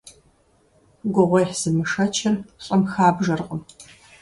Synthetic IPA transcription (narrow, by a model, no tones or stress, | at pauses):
ɡʷʊʁʷɔjħz̥ɨmɨʂɐt͡ʃʰɐrɕʼɐmxaːbʒɐrqəm